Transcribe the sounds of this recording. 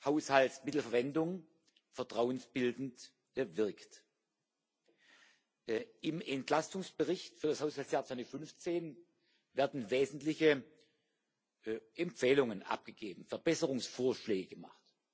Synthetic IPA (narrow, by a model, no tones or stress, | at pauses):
haʊshaltsmɪtl̩fɛɐvɛndʊŋ | fɛɐtʁ̥aʊənsb̥ɪldn̩t | vɪɐkt | ɪmɛntlastʊŋsb̥əʁɪçtfyːɐdashaʊshaltsjaːt͡ssvaʊndəfʏnft͡seːn | vɛːɐdn̩veːzn̩tlɪçə | ʔɛmpp͡fɛːlʊŋənʔa̰p̚ɡ̥əɡ̥eːbm̩fɛɐbɛsəʁʊŋsfoːɐʃlɛːɡəɡ̥əma̰χt